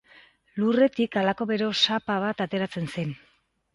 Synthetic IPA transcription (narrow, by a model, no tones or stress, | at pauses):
lure̞t̪ikalako̞βe̞ɾo̞sapaβ̞at̪at̪e̞ɾat͡se̞nse̞n